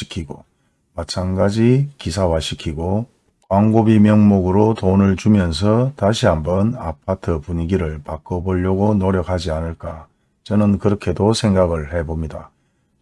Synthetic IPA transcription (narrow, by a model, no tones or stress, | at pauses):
ɕʰi̥kʰiɡo̰ | mat͡ɕʰanɡad͡ʑikisʰawaɕʰikʰiɡo | kwaŋɡobimjʌŋmoɡɯɾotonɯɭt͡ɕumjʌns̬ʰʌtaɕʰiɦambʌna̰pʰatʰɯpuɲiɡiɾɯɭpak͈ʌboʎːʌɡonoɾjʌkʰhad͡ʑianɯɭk͈a | t͡ɕʌnɯnkɯɾʌkʰe̞dosʰe̞ŋɡaɡɯɭhe̞bomɲida